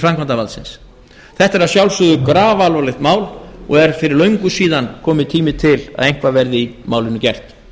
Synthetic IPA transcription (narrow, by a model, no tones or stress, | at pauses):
fɾamkʰant̪avalsɪ̰ns | θɛht̪aɛɾasjawlsʏðʏkɾaːvalvalɪxt̪maːwlɔ̰ɣɛɾ̥fɪɾɪɾlœɥŋkʏsiːðankʰɔːmɪt̪ʰiːmɪt̪ʰɪla̰ðejŋ̥kvavɛɾðɪimaːwlɪnːʏcɛr̥t̪